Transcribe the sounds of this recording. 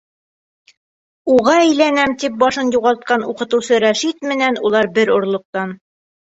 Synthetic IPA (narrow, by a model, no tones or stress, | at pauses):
uʁɑæjlænæmt̪ip̚bɑʃɤnjuʁɑlˠt̪̚qɑnuqɤ̆t̪ɤ̆wsɤɾæʃit̪mɘ̆nænulˠɑɾbɘɾŏɾlˠŏq̚t̪ɑn